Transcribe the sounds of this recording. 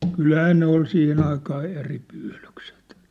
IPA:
kylhæː ne ol siːhen ɑikɑː eri pyːlykset

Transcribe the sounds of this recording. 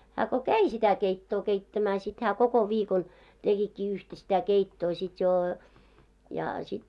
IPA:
hæ ko kæi sitæ keitːoː keitːæmæː sit hæː koko ʋiːkon tekikːiː yhtæ sitæ keitːoː sit joː jɑ sit

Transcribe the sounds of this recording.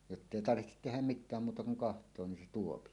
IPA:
jotːeˑi tɑrʋihtet tehæm mitˑæːm muːtɑ kuŋ kɑhtˑoː nin se tuopi

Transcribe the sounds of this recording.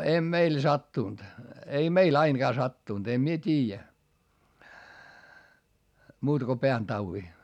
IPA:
em meil sɑtːuˑnt ei meil ɑinɡ̊ɑː sɑtːuˑnt em mie tʲiːjæ muːtɑ̆ ko peæntɑuwi

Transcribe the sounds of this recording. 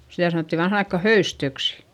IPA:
sitæ sɑnoˑtːi ʋɑnhɑn ɑikːɑ høystøksi̥

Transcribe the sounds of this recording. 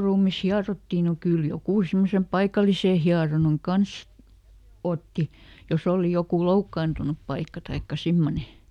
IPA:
ruːmis hiɑrotːiˑ no kyl jokuˑ simːosem pɑikɑliseˑ hiɑronɑn kɑns otːi jos oˑli jokuˑ loukːɑːntunup pɑikːɑ tɑikːɑ simːone

